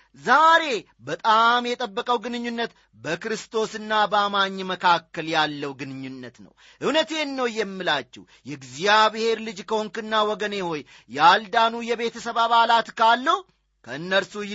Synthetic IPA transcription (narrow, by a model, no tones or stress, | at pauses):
zaɾe̞ | bət̪ʼamjɛt̪ʼəbːəkʼəwɡɨnɨɲːunːət̪ | bəkɾɨst̪ʰo̞sɨnːabəamaɲːməkʰakːəljalːəwɡɨnɨɲːunːət̪nə̰w | ʔɨwnət̪e̞nːəwjɛmːɨlat͡ʃːɛ̰w | jɛɡzijaβhe̞ɾlɨd͡ʒkʰəoŋkɨnːawɔɡəne̞ho̞jː | ald̪anujɛβet̪ʰəsəβaβalat̪kʰalːəw | kʰəɨnːəlsuj